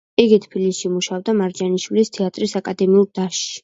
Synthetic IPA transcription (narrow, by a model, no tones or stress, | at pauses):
iɡit̪ʰpʰilisʃimuʃavd̪amaɾd͡ʒaniʃwilist̪ʰɛat̪ʼɾisakʼad̪ɛmiuɾd̪aʃ